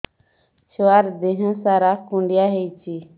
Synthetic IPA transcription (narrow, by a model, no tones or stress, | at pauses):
t͡ʃwaːɾd̪eɦə̃saːɾakũɳɖijaɦejt͡ʃʰi